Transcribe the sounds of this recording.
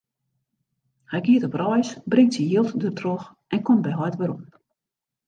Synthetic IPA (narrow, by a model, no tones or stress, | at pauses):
hɛjkiətɔprɔjsbrɪŋtsijiəlˠtdørtʰrox | ɛnkɔmbɛjɦɔjtʋəɾɔm